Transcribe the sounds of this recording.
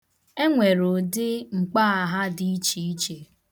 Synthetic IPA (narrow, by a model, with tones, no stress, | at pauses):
e˦ŋʷe˨ɾo˨dɪ˦ŋ͡m̩˨k͡pa˦a˨ɦa˦dɪ˦i˦t͡ʃi˦i˦t͡ʃe˨